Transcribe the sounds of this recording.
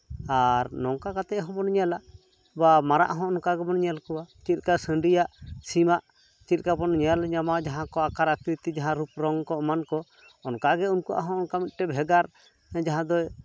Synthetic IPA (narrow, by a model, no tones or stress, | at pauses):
aɾnɔŋkakat̪ɛʔɦɔ̃bɔnɲɛlaʔ | bamaɾa̰ʔɦɔ̃ːnkaɡɛbɔnɲɛlkɔwat͡ʃit̪̚ˀkasə̃ɳɖijaʔsimaʔ | t͡ʃit̪̚ˀkabɔnɲɛlɲamad͡ʒaɦãkɔakaɾakɾit̪id͡ʒaɦãɾupɾɔŋkɔmankɔ | ɔnkaɡɛunkuʔa̰ɦɔ̃ɔnkamit̪̚ˀʈɛbʱɛɡaɾ | d͡ʒaɦãd̪ɔj